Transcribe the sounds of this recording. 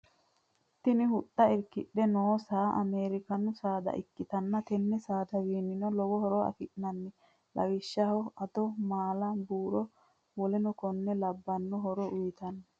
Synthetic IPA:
t̪ːɪnɪhʊɗːɐɛɾkɪɗːɛnoːsaːʔɐ̰meːɾɪkɐnːʊsaːd̪ɐ̰ʔɪkːɪt̪ɐnːɐt̪ɛnːɛsaːd̪ɐwiːnːɪnɔlɔwɔhɔɾɔɐ̰fɪʔnɐnːɛ | lɐ̰wɪʃːɐhɔɐd̪ɔmaːlɐbuːɾɔ | wɔlɛnɔkɔnːɛlɐbːɐnːɔɦɔɾɔʊjɪt̪ɐnːɐ

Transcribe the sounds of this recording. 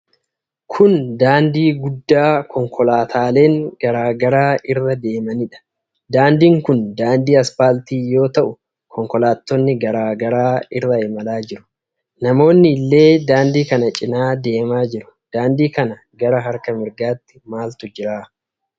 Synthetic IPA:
kʰʊnd̪aːnd̪iːɡʊd̪ːaːkʰɔŋkʰɔlaːt̪ʰaːle̞ːŋɡ̥ɐɾaːɡɐɾaːɪrːɐd̪e̞ːmɐnɪᶑɐ̥ | d̪aːnd̪iːŋkʊnd̪aːnd̪iːɐspaːlt̪iːjo̞ːt̪ɐʔʊ | kʰɔŋkɔlaːt̪ːɔnːɪɡɐɾaːɡɐɾaːɪrːɐɪmɐlaːd͡ʒɪɾʊ̥ | nɐmo̞ːnːɪːlːe̞ːd̪aːnd̪iːkɐnɐt͡ʃʼɪnaːd̪e̞ːmaːd͡ʒɪɾʊ̥ | d̪̥aːnd̪iːkɐnɐ | ɡɐɾɐɦɐɾkɐmɪɾɡaːt̪ːɪ̥maːlt̪ʊd͡ʒɪɾaː

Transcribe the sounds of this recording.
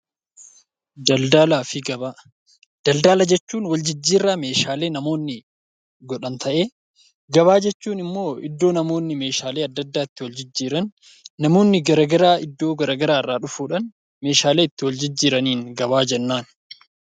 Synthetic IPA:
dɐld̪alaːfɪɡɐ | d̪̥ɐld̪aːlɐd͡ʒɛt͡ʃːuːnwɐld͡ʒɪd͡ʒːiːrːaːme̞ːʃaːle̞ːnɐmo̞ːnːɪ | ɡɔᶑɐnt̪ʰɐʔe̞ː | ɡɐβaːd͡ʒɛt͡ʃːuːnɪmːo̞ːɪ̰d̪ːo̞ːnɐmo̞ːnːɪme̞ːʃaːleːɐd̪ːɐd̪ːaːɪt̪ːɪwɐld͡ʒɪd͡ʒːiːɾɐnː | ɐmo̞ːnːɪɡɐɾɐɡɐɾaːɪd̪ːo̞ːɡɐɾɐɡɐɾaːrːaːᶑʊfuːᶑɐn | me̞ːʃaːle̞ːɪt̪ːɪwɐld͡ʒɪd͡ʒːiːɾɐniːŋɡɐbaːd͡ʒɛnːaːn

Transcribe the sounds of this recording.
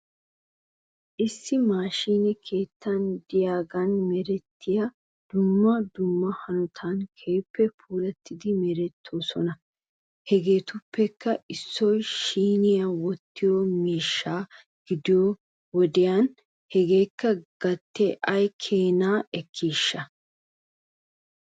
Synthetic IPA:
ʔɪsːɪmaːʃiːnɛkʰe̞ːt̪ːɐnd̪ɪjaːɡɐnmɛɾɛt̪ːɪjɐ | d̪̥ʊmːɐd̪ʊmːɐhɐnʊt̪ʰɐnkʰejpːɛpʰuːlɛt̪ːɪd̪ɪmɛɾɛt̪ʰːoːsɔnɐ | hɛɡe̞ːt̪ʊpːɛkːɐʔɪsːɔjʃiːnɪjɐwɔt̪ːɪjomiːʃːaː | ɡ̥ɪd̪ɪjo | wɔd̪ɪjan | hɛɡe̞ːkːɐɡ̥ɐt̪ːɛʔɐjkʰe̞ːnaːɛkʰːiːʃːɐ

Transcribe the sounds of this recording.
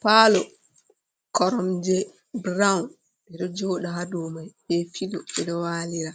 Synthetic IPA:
paːlɔ | kɔɾɔmd͡ʒɛ | bɾaun | ɓɛɗɔd͡ʒoːɗaɦadumajɓɛfilɔɓɛɗɔwaːliɾa

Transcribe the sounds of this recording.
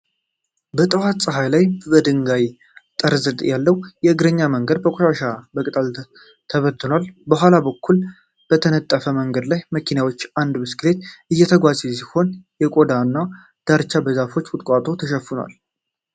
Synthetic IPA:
bət̪ʼəwat̪sʼɨɦajlajbəd̪ɨŋɡaj | t̪ʼəɾzɨd̪ʼjalːəwjɛɨɡɾəɲːaməŋɡəd̪bəkʷʼoʃaʃabəkʼt̪ʼal | t̪ʰəβət̪ːɨnwalbəɦʷalabəkʰːul | b̥ət̪ʰənət̪ʼːəfəməŋɡəd̪lajməkʰinawo̞t͡ʃːand̪mɨskɨle̞t̪ʔɨjːɛt̪ʰəɡʷazɛs̬iho̞njɛkʼo̞d̪anːa | d̪̥aɾt͡ʃːabəzafo̞t͡ʃːwʊt̪ʼkʷʼat̪ʼo̞t̪ʰəʃəfɨnwa̰l

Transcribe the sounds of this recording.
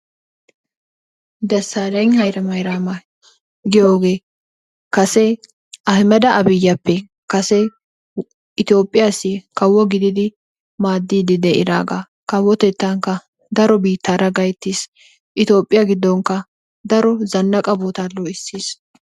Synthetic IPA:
d̪ɛsːaːɾɐŋhɐjɾɐmɐjɾaːmɐ | ɡɪjoːɡe̞ː | kɐsɛ | ɐhɪmɛd̪ɐɐbɪjːɐpːɛ | kɐsɛ | ɪt̪ɪo̞ːpʼːɪjaːsikɐwːɔɡɪd̪ɪd̪ɪ | maːd̪ːiːd̪ɪd̪ɛʔɪɾa̰ːɡa | kɐwːɔt̪ɛt̪ːɐŋkːɐ | d̪ɐɾɔbiːt̪ːaːɾɐɡɐjt̪ːiːs | ʔɪt̪jo̞ːpʼːɪjɐɡɪd̪ːɔŋkːɐ | d̪ɐɾɔzɐnːɐkʼɐboːt̪aloɪsːiːs

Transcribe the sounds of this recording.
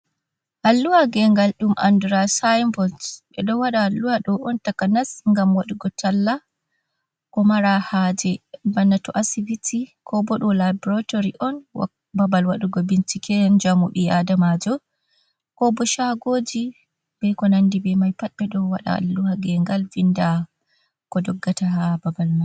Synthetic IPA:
ʔalːuwaɡɛŋɡalɗumʔa̰ndɾasajmbɔltɓɛ̰ɗɔwaɗaːlːuwaɗɔʔɔntakanasŋɡamwaɗuɡɔtʰalːa | kɔmaɾahad͡ʒɛbanːatɔʔasivitikʰɔbɔɗɔlabɔɾatoɾiʔɔnwa̰ | babalwaɗuɡɔbint͡ʃikɛnd͡ʒamuɓiadamad͡ʒɔ | kɔbɔʃaɡoːd͡ʒi | bɛkɔnandibɛmajpatɓɛɗɔwaɗa̰lːuhaɡɛŋɡalvinda | kɔdɔɡːatahababalmaj

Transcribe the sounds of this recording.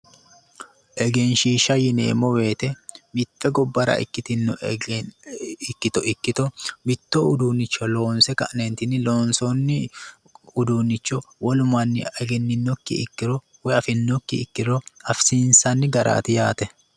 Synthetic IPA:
ʔɛɡɛnʃiːʃɐjɪnḛːmɔwe̞ːt̪ɛmɪtːɛɡɔbːɐɾɐ̰ɪ̰kːɪt̪ɪnːɔ | ɪkːɪt̪ɔʔɪkːɪt̪ɔbɪt̪ːɔʊd̪uːnːɪt͡ʃːɔloːnsɛkɐʔnɛnt̪ɪnɪloːnsɔnːɪ | ʊd̪uːnːɪt͡ʃːɔwɔlʊmɐnːɪɐɡɛnːɪnːɔkːɪ̰ɪ̰kːɪɾɔ | wɛɐfɪnːɔkːɪɪkːɪɾɔɐfsiːnsɐnːɪɡɐɾʔa̰ːt̪ɪjaːt̪ɛ

